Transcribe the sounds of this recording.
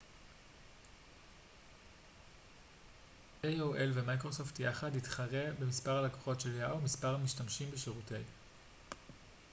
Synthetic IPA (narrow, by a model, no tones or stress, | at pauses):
ʔejoʔelvemajkʁo̞so̞ftjaχaditχaʁe̞be̞mispaʁalako̥χo̞tʃe̞ljaomispaʁamiʃtamʃimbeʃeʁute̞j